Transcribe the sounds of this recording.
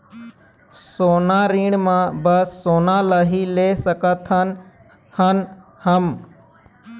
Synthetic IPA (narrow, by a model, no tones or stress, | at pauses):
soːnaːɾiːɳmãbəsːoːnaːləɦileːsəkət̪ʰən | hən | həm